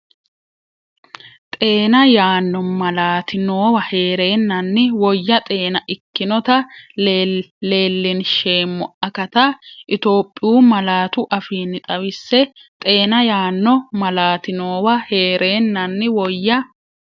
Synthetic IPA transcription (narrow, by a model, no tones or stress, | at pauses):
t̪ʼe̞ːnɐjaːnːɔmɐlaːt̪ɪnoːwɐhe̞ːɾe̞ːnːɐnːɪwɔjːɐt̪ʼe̞ːnɐʔɪkːɪnɔt̪ɐ | e̞ːlːɪnʃe̞ːmːɔʔɐkɐt̪ɐʔɪt̪o̞ːpʼːɪjuːmɐlaːt̪ʊʔɐfiːnːɪt̪ʼɐwɪsːɛt̪ʼe̞ːnɐjaːnːɔmɐlaːt̪ɪno̞ːwɐhe̞ːɾʔe̞ːnːɐnːɪwɔjːɐ